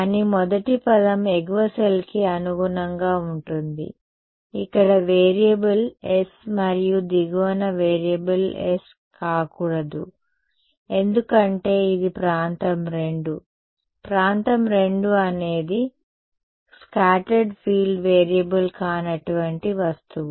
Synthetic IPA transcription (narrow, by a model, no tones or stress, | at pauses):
ɐnimɔd̪ɐʈipɐd̪ɐmeɡʋɐsɐlkiɐnuɡunɐŋɡaːuɳʈund̪ḭ | ikːɐɽɐʋeːɾijɐbɐlesmɐɾijud̪iɡɐʋɐnɐʋeːɾijɐbɐles | kaːkuɽɐd̪u | e̞nd̪ukɐɳʈe̞ːid̪ipɾaːnt̪ɐmɾe̞ɳɖu | pɾaːnt̪ɐmɾe̞ɳɖuɐne̞ːd̪i | skaːʈɐɾɖpʰiːlɖʋeːɾijɐbɐlkaːnɐʈuʋɐɳʈiʋɐst̪uʋu